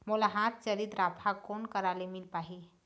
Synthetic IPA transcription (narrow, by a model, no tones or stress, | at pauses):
molaɦat̪̚t͡ɕəlit̪ɾapʰakoɳkəɾalemilpaɦi